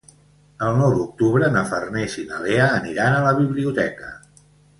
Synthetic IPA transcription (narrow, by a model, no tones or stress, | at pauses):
əlˠnɔwd̪uk̚t̪uβɾənəfərnɛʃinəleəːniɾanələβiβliut̪ɛkə̥̰